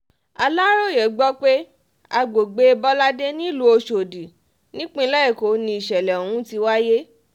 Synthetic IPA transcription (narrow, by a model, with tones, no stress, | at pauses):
a˧la˦ɾo˦˨je˨˦ɡ͡bɔ˦k͡pe˦ | a˧ɡ͡bo˨ɡ͡be˧e˧bɔ˦la˦de˦nĩ˦lu˦o˧ʃo˨di˨ | nĩ˦k͡pĩ˧˦lɛ˦ɛ˦˨ko˨˦nĩ˧i˨ʃɛ˨lɛ˨o˨ũ˨˦ti˧wa˦je˦